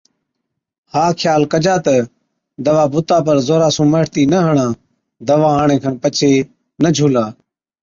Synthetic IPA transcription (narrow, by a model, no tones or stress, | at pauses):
haːkʰjaːlkəd͡ʒaːt̪ə | d̪əʋaːbʊt̪aːpəɾzoːɾaːsũːməːʈt̪iːnəɦəɳãː | d̪əʋãːɦaːɳẽːkʰənpət͡ʃʰeː | nəd͡ʒʱuːlaː